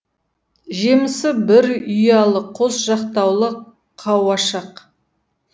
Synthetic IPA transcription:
ʒemɪsɪbɪɾʏjɑlˠəqʰosʒɑqt̪ɑwlˠə | qʰɑwɑʃɑq

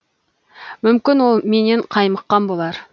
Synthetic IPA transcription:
mʏmkʲɪnwo̞lˠme̞neɴqʰɑjməqːɑnbo̞lˠɑɾ

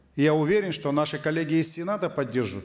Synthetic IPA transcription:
ɪjaʊvʲeɾʲɪnʂt̪onaʂɨkɐlʲːeɡʲɪːsʲsʲɪnat̪əpɐdʲːerʐʋʊt̪

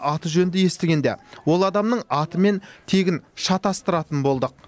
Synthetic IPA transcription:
ʔɑt̪əʒɵnd̪ɪje̞st̪eɡʲe̞nd̪ḛwo̞lˠɑd̪ɑmnəɴɑt̪əme̞nt̪ʰe̞ɡʲɪnʃɑt̪ɑst̪əɾɑt̪ənbo̞lˠd̪əq̚

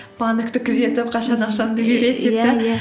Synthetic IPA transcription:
bɑnd̪ɪkt̪ɪkʲʰɪze̞t̪ɪp̚qʰɑʃɑnɑqʃɑnd̪ɪbʲeɾet̪ːeɪ

